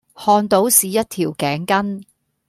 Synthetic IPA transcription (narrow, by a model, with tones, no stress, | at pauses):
hɔː˧nt̪o˨˥wsiː˨jɐ˥t̚t̪ʰiː˨˩wkɛː˨˥ŋkɐ˥n